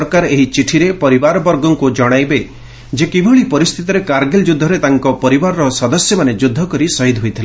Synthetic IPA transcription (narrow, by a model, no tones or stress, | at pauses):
ɾkaɾeɦit͡ʃiʈʰiɾepɔɾibaɾɔbɔɾɡɔŋkud͡ʒɔɽ̃ajbe | d͡ʒekibʱuɭipɔɾist̪ʰit̪ɔɾekaɾɡeld͡ʒud̪ʱːɔɾet̪aŋkɔpɔɾibaɾɔɾɔsɔd̪ɔsjɔmaned͡ʒud̪ʱːɔkɔɾisɔɦid̪ʱɦojt̪ʰile